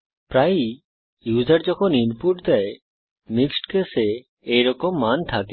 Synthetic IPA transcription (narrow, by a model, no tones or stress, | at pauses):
pɾaːi | juːzəɾd͡ʒoːkʰoːninpuːʈt̪ɛ | mɪksʈkɛːseː | eːɾɔkomːaːnt̪ʰaːke